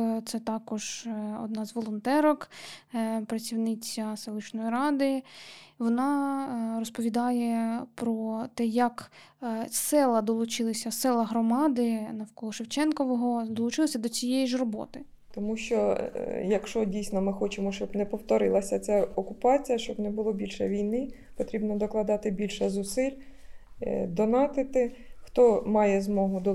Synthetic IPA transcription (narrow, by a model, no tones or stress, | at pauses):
t̪sɛt̪ɑkɔʒɔ̰d̪nɑzʋɔlˠɔnt̪ɛɾɔk | pɾɐt͡sʲiwnɪt͡sʲɐselˠɪt͡ʃnɔjiɾɑd̪ɪʋɔnɑrɔspɔʋʲid̪ɑjɛpɾɔt̪ɛjɐk | sɛlˠɐd̪ɔlˠʊt͡ʃɪlˠɐsʲɐsɛlˠɐɦɾɔmɑd̪ɪnɐwkɔlˠɔʃewt͡ʃɛnkɔʋɔɦɔd̪ɔlˠʊt͡ʃɪlˠɐsʲɐd̪ɔt͡sʲijejiʒrɔbɔ̰t̪ɪ | t̪ɔmuʃt͡ʃɔjɐkʃt͡ʃɔdʲijsnɔmɪxɔt͡ʃɪmɔʃt͡ʃɔbnɛpɔwt̪ɔɾɪlˠɐsʲɐt͡sʲaɔkʊpɑt͡sʲijɐʃt͡ʃɔbnɛbʊlˠɔbʲilʲʃɛ̰ʋʲijnɪ | pɔt̪ɾʲibnɔd̪ɔklˠɐd̪ɑt̪ɪbʲilʲʃɛzʊsɪlʲ | d̪ɔnɑt̪ɪt̪ɪxt̪ɔmɑjɛzmɔɦʊd̪ɔ